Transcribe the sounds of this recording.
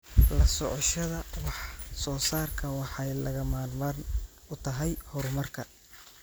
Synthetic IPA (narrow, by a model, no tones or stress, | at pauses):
lɐsɔʕɔʃɐðɐwɑħsɔːsaːrkʰɐwɑħɑjlɐɣɐmaːlmɐn | ʊt̪ʰɐɦɛjhɔɾmɐrkʰɐ